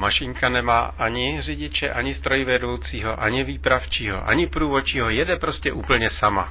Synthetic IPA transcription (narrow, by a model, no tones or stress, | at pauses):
maʃɪŋkanɛma̰ːʔaɲɪrɪɟɪt͡ʃɛ̰ʔaɲɪst̪ɾo̞jɪvɛdowt͡siːɦo̞ʔaɲɪviːpɾaft͡ʃiːɦo̞̰ʔa̰ɲɪpɾuːvot͡ʃiːɦojɛdɛpɾo̞scɛʔuːpl̩ɲɛsama̰